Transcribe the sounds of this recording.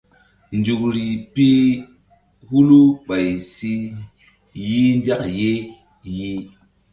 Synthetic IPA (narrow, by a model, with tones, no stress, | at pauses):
nd͡ʒu˨kɾi˨pi˦ | hu˦lu˦ɓa˨jsi˦ | ji˦nda˦kje˦ | ji˦